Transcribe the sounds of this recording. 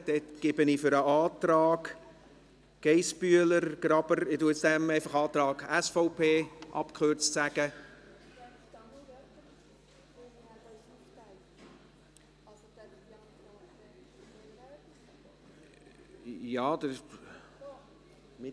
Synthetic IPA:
d̥̪ɛtɡ̥ɪbənɪfʏɾəɑːt̪ɾɑːɡ | ɡ̥ɛɪsbyələɾɡ̥ɾɑbəɾɪtuət͡ssd̥̪ɛmɛɪfɑχɑːt̪ɾɑːɡæsfoʊpʰeːʔɑ̰pkχøɾt͡stsæɡ̥ə | jɑːd̪ə

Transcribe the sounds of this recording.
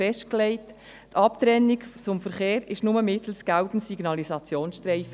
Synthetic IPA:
fɛʃt̚klɛɪt | tʰɑptɾɛnːikt͡sʊmfəɾχeːɾɪʃnʊməmɪt̪l̩sɡ̥albn̩siɡ̥nɑlisɑt͡sjoːnsʃtɾɛɪf

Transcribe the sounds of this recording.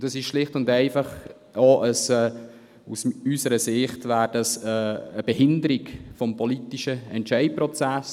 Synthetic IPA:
dəsɪʃʃlɪχtʊndɛɪfɑχ | oʔəsɛː | usysəɾəsɪχtvæːɾd̥ɑsɛːəb̥ɛhɪndəɾɪkfɔmpʰɔlitiʃəɛntt͡ʃɛɪpɾɔt͡sæs

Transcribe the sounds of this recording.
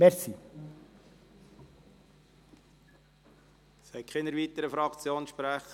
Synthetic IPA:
mɛɾsi | sɛɪtkχenəɾʋiːt̪əɾəfɾɑkt͡sjoːnʃpɾæχə

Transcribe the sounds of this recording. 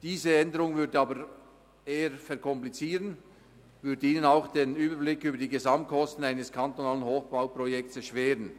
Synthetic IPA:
d̥iːzəɛndəʁʊŋvʏɐdəɑːbəɾ | eːəfɛɐkʰɔmplit͡siːʁən | vʏɐdəiːnənaʊxd̥eːnyːbəblɪkyːbəɐdiːɡezamt̚kʰɔstn̩aɪnəskʰant̪onaːlənhoːxb̥aʊpʁɔjɛk̚t͡sɛʃv̥eːʁən

